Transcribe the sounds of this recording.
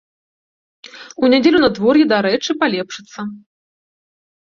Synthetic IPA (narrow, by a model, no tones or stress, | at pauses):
unʲad͡zʲelʲunɐd̪vɔrjɛd̪aɾɛt͡ʂɨpalʲɛpʂɨt̪sːɐ